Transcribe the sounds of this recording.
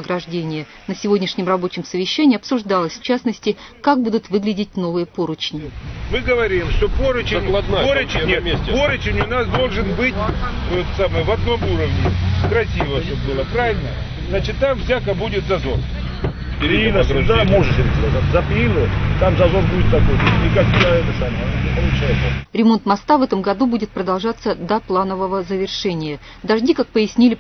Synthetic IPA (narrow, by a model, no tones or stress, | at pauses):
ɡɾɐʐdʲenʲɪjə | nəsʲɪvo̞dʲnʲɪʂnʲɪmrɐbo̞t͡ɕɪmsəvʲɪɕːænʲɪːɐpsʊʐd̪ɑlˠəsʲft͡ɕasnəsʲtʲɪkak̚bud̪ʊt̪vɨɡlʲɪdʲɪt̚ʲno̞vɨjəpoɾʊt͡ɕnʲɪmɨɡəvɐɾʲimʂt̪opoɾʊt͡ɕɪplˠɐt̪naoɾʊt͡ɕʲmʲesʲt̪ʲpoɾʊt͡ɕɪnʲʊnasd̪o̞lˠʐɨnbɨtʲt̪ojt̪ə̥samɨjəvɐd̪̚no̞muɾəvnʲɪkɾɐsʲivəsobɨlˠəkɾavʲɪlʲnəjə | znat͡ɕɪt̪ːamvzʲakəbudʲɪt̪zɐzor | pʲɪɾʲɪinəsʊd̪amoʐɨʂɪɾʲɪk̪ʲɐzat̪zɐpʲinɨjt̪amzɐzoɾbudʲɪt̪zɐbonɨnʲɪkakiəɛt̪əsamənʲɪpəlˠʊt͡ɕajɪt̪səɾʲɪmo̞nt̪mɐst̪avɛt̪əmɡɐd̪ubudʲɪt̪̚pɾəd̪ɐlˠʐat̪sːəd̪ɐplˠanəvəvəzəvʲɪrʂɛnʲɪjə | d̪ɐʐdʲikak̚pəjɪsʲnʲilʲɪ